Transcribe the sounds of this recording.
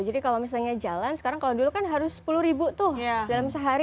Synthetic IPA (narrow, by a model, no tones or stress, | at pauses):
d͡ʒadikalomis̬alɲad͡ʒalansə̥kaɾaŋkalodulukanɦaɾʊsːə̥pulʊhɾibut̪ʊhdalamsəɦaɾi